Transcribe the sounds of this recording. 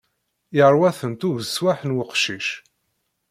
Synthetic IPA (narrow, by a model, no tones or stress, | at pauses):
jəɾˤwæθənt̪uðəswaħnwəqʃiʃ